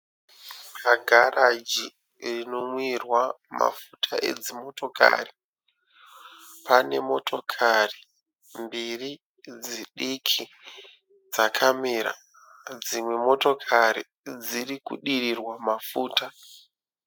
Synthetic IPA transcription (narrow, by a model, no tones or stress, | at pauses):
kaɡʱarʔad͡ʒi | rino̞mwirwama̰futʰaʔe̞̰d͡zimo̞to̞ka̰ri | pane̞mo̞tʰo̞kʰari | mbiri | d͡ziɗikʰi | d͡zakʰamiɾa̰ | d͡zimwe̞mo̞to̞kʰaɾi | d͡zirikṵɗirirwamafuːta